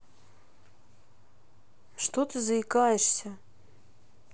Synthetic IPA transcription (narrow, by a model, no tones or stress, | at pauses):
ʂt̪ot̪ɨzɐɪkajɛʂsʲɐ